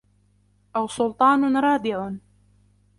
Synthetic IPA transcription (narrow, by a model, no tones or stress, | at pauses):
ʔawsʊlt̪ˤɑːnɾˤɑːd̪ɪʕʊ